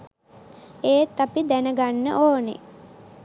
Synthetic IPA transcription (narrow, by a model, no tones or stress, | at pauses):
eːt̪ːapid̪ænəɡanːə̰ʔoːnḛ